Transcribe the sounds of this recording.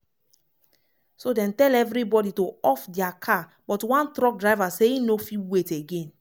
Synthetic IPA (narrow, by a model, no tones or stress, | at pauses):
sodɛ̃ntɛlɛvɾibɔditoɔfdɛakʰa | bɔtwãntɾɔk̚dɹaɪvaseinofiweteɡẽn